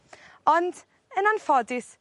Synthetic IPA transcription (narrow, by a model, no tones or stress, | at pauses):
ɔnd | ənanfɔdɪs